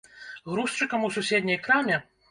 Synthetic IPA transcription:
ɣɾuʂt͡ʂɨkɐmususʲed̪ʲnʲɐjkɾamʲɛ

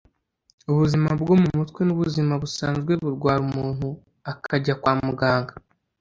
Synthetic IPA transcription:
uβuzimabɡo̞mumutkwenuβuzimaβusaːnzɡwe̞βuɾɡwaːɾumuːnhu | akʰaɟakwaːmuɡaːŋɡa

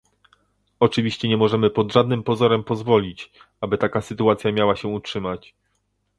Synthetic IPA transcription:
ɔt͡ʂɘvʲiɕt͡ɕɛɲɛmɔʐɛmɘpɔd̪ʐad̪̚nɘmpɔzɔɾɛmpɔzvɔlʲit͡ɕ | abɘt̪akasɘt̪uat̪sʲjamʲjawaɕɛutʂɘmat͡ɕ

